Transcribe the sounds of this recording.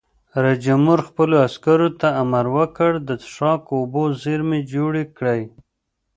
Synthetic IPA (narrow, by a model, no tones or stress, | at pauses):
ɾad͡ʒamʊɾxpəloaskaɾot̪aːmaɾwəkəɽd̪ət̪ʂɑkobozeɾmed͡ʒoɽekɽəj